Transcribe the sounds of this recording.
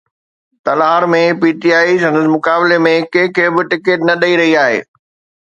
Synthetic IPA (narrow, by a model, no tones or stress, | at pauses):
t̪ɐlaːɾmẽpiːʈiaːisɐ̃nd̪əs̬mʊkaːbɪlemẽkɐ̃ɦɪ̃kʰeːbɪʈɪkeʈnɐɗɐiɾɐɦiaːɦḛː